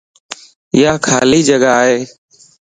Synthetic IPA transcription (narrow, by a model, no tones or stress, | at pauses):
ɪjaːkʰaːliːd͡ʒəɡaaːɦeː